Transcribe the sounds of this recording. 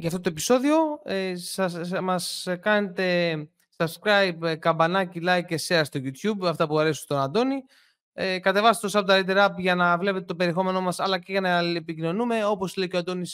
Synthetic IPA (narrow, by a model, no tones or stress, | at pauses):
ʝɐft̪ot̪o̞e̞piso̞ðio̞sɐsmɐskɐne̞t̪e̞ | sɐskɾɐjbkɐbɐnɐcilɐjkeseɐst̪o̞ʝut̪çubɐft̪ɐpuɐɾesut̪o̞nɐnd̪o̞ni | kɐt̪e̞vɐst̪et̪osɐpot̪ɐɾit̪̬eɾɐɐpʝɐnɐvle̞pet̪et̪ope̞ɾie̞xo̞me̞no̞mɐsɐlɐceʝɐnɐlepicino̞nume̞o̞po̞slecoɐnd̪o̞nis